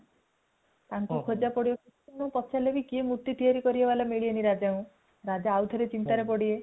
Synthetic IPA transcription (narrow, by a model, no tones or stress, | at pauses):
t̪aŋkukʰod͡ʒapɔɽiɔku | unõpɔtːʃʰalebikiemut̪ːit̪iaɾikɔɾiebalameɭieniɾad͡ʒaũ | ɾad͡ʒaːwt̪ʰɔɾet͡ʃint̪aɾepɔɽie